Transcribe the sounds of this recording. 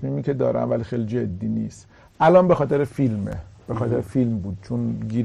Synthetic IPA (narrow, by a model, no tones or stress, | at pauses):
miːmiːcʰe̞d̪ɒːɾæ̰mvælxejlid͡ʒed̪ːiːniːst̪ | ʔælɒːnbe̞xɒːt̪ʰe̞ɾefilmḛb̥exɒːt̪eɾefilmbuːd̪̥̚t͡ʃʰonɡiːɾ